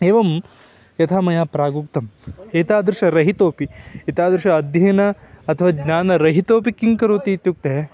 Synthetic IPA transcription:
eːʋɐm | jɐt̪ʰaːmɐjaːpɾaːɡuk̚t̪ɐmeːt̪aːd̪ɾʃɐɾɐɦit̪oːpieːt̪aːd̪ɾʂɐːd̪ʱjɐːnɐɐt̪ʰɐʋaːɡɲaːnɐɾɐɦit̪oːpikiŋkɐɾoːt̪it̪juk̚t̪e

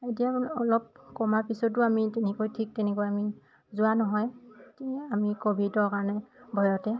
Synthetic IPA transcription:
etijaɔlɔp̚kɔmapisɔtʊamitɛnɛkojtʰik̚tɛnɛkojami | zʊanɔɦɔjkeamikobʱidɔɹkaɹɔnɛbʱɔjɔtɛ

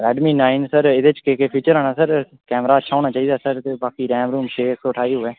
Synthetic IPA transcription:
ɛːɖmiːnaːɪnsəɾɪd̪et͡ʃkeːkeːpʰiːt͡ʃəɾaːnaːsəɾ | kɛːmɾaːətːʃʰaːɦoːɽ̃aːt͡ʃaːiːd̪aːsəɾt̪eːbaːkiːɾɛːmɾuːmt͡ʃʰeːksoːʈʰaːiːɦʊɛː

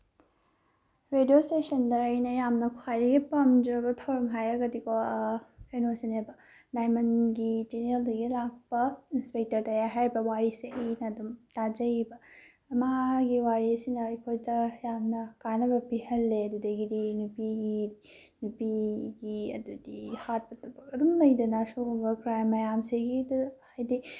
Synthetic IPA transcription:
ɾedijostesɐndɐɐjnɐjamnɐkʰuajdɐɡipɐmd͡ʒɐbɐtʰɐwɾɐmɦajɾɐɡɐdikʰokejnosenebɐ | najmɐnɡitineldɐɡilak̚pɐinspek̚tɐɾtɐjaɦajɾibɐwaɾiseʔɐjnɐːdumtad͡ʒɐjbɐː | maɡiwaɾisinɐɐjkʰojdɐjamnɐkanɐbɐpihɐlːeɐdudeɡidinupiɡi | nupiɡiɐ̰dudihat̚pɐtɐbɐkɐdumlɐjdɐnɐsoɡɔmbɐɡɾajmːɐjamseɡidhajdi

